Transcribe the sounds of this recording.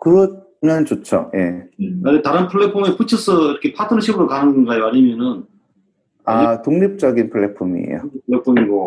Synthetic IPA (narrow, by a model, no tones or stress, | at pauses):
kɯɡʌ | mjʌnt͡ɕot͡ɕʰo̰jḛanet̪aɾɯnpʰɯɭːepʰomeput͡ɕʰʌsʰʌiɾʌkʰe̞pʰatʰɯnɯɕʰibɯɾokanɯnɡaeaɲimjʌnɯn | atoŋɲip̚t͡ɕ͈ʌɡinpʰɯɭːepʰumḭḛjo̰pʰɭːepʰumiɡo